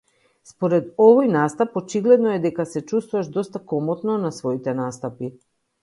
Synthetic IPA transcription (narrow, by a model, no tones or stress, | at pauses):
spoɾɛd̪ɔvojnast̪apɔt͡ʃiɡlɛd̪nɔɛd̪ɛkasɛt͡ʃust̪vuvaʃd̪ɔst̪akɔmɔt̪nɔnasvɔit̪ɛnast̪api